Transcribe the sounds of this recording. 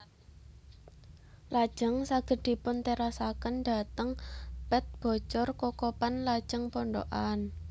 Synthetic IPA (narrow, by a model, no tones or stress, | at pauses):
lad̥ʒ̥əŋsaɡ̥ə̤d̪̥i̤pʊnt̪eɾasakənɖa̤t̪əŋpɛt̪̚b̥ɔ̤t͡ʃɔrkɔkɔpanlad̥ʒ̥ə̤ŋpɔɳɖo̰ʔan